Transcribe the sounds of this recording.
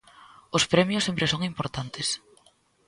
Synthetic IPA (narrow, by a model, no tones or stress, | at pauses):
ʊspɾɛmjʊsːempɾesoŋimpoɾt̪ant̪ɪs